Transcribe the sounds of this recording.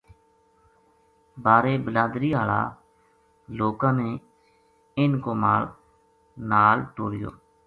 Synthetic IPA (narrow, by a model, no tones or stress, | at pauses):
baːɾeːbəlaːd̪ɾiːaːla̰ː | loːkãːnẽː | ɪnkoːmaːl | naːlʈoːɽɪjo̰ː